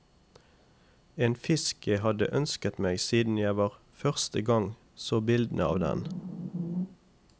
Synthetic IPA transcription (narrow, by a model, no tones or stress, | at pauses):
eːnfɪskʰəhɑd̪ə̰ʔœnskət̪meːɡsiːd̪n̩jæɪʋɑːʁ | fœʁst̪əɡɑŋ | soːbɪld̪n̩əɑ̰ːʋd̪ɛ̰n